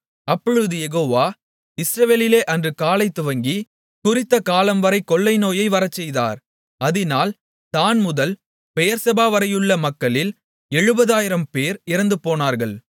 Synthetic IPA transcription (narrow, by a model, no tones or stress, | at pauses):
ɐpːɔɻɯðɯjɛɣoːʋaː | ɪsɾɐʋeːlɪleːʔɐndrɯkaːlɐɪt̪ːʊʋɐŋɡi | kʊrɪt̪ːɐkaːlɐmʋɐɾɐɪkɔɭːɐɪnoːjɐɪʋɐɾɐt͡ʃːɛjða̰ːɾ | ɐðɪnaːl | t̪aːnmʊðɐl | pɛjɐɾsɐbaːʋɐɾɐjɯɭːɐmɐkːɐɭɪl | ɛɻɯbɐðaːjɪɾɐmpeːɾɪɾɐnd̪ɯpoːnaːɾɣɐɭ